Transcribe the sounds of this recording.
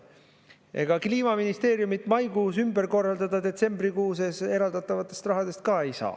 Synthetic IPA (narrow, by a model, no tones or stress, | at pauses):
ʔe̞̰ɡ̥ɑkliːmɑminist̪e̞ːɾjumit̪ːˑmɑjkuːsymbeɾko̞rːɑld̪ɑd̪ɑd̪e̞t̪se̞mbɾikuːsese̞ɾɑld̪̥ɑt̪ːˑɑvɑt̪ːˑe̞st̪rɑɦɑd̪e̞st̪̚kɑe̞jsɑ̰ː